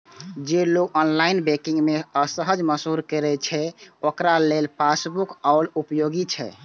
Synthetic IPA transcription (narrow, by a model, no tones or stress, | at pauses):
d͡ʒeloɡʔɔnlainbɛkiŋɡmeəsəɦəd͡ʒməsɦuɾkəɾɛt͡ʃʰɛokɾalelpasbukaʊlupjoɡit͡ʃʰɛ̰